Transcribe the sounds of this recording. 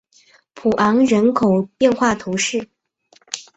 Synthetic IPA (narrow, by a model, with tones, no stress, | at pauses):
pʰu˨˩ʔɑ˧˥ŋɻə˧˥nkʰo˨˩ʊpjɛ˥˧nxwa˥˩t̪ʰu˧˥ʂɻ̩˥˩